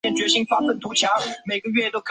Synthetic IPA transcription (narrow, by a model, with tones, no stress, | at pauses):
ɛ˥˩nt͡ɕɥɛ˧˥ɕi˥ŋfa˥fə˥˩nt̪ʰu˧˥t͡ɕʰjɑ˧˥ŋme˨˩ɪɡə˧ɥɛ˥˧t̪o˥ʊkʰ